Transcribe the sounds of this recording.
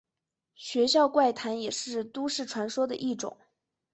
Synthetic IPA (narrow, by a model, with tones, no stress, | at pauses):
ɕɥɛ˧˥ɕjɑ˥˧ʊkwa˥˩ɪt̪ʰa˧˥njɛ˨˩ʂɻ̩˥˧t̪u˥ʂɻ̩˥˩ʈ͡ʂʰwa˧˥nʂwɔ˥d̪ə˨ʔi˥˩ʈ͡ʂʊ̰˨˩˦ŋ